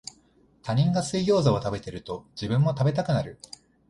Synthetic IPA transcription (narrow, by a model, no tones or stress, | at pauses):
t̪aɲ̟ĩŋɡasɨijo̞ːzao̞t̪abe̞t̪e̞ɾɯ̟t̪o̞d͡ʑibɯ̟̃mːo̞t̪abe̞t̪̬akɯ̟naɾɯ̟